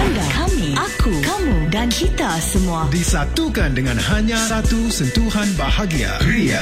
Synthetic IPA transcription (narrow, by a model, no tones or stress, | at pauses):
adakamiakukamũdankit̪asəmuadisat̪ukandəŋãnhaɲãsat̪usənt̪uhanbahaɡia̰ɾia̰